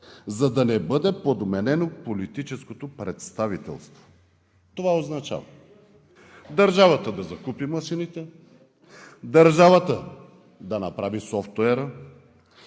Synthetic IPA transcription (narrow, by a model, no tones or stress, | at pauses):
zɐd̪ɐnɛbɤd̪ɛpod̪mɛnɛnopolit̪it͡ʃɛskot̪opɾɛt̪st̪avit̪ɛ̰lˠst̪vo̥ | t̪ovaoznɐt͡ʃa̰vɐ | d̪ɐɾʒavɐt̪əd̪ɐzɐkupimɐsinit̪ɛ | d̪ɐɾʒavɐt̪ə | d̪ɐnɐpɾavisɔft̪ɛɾə